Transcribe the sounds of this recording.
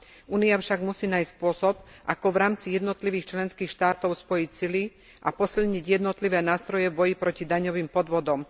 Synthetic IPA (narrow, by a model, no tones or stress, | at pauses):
uːniafʃaɡmusiːnaːjsspʊɔsɔbʔakɔʋɾaːmt͡sijɛd̪nɔt̪liʋiːxt͡ʃlɛnskiːxʃt̪aːt̪ɔʊspɔjicsili | ʔapɔsilɲiɟjɛd̪nɔt̪liʋɛːnaːst̪ɾɔjɛvbɔjipɾɔcid̪aɲɔʋiːmpɔd̪ʋɔd̪ɔm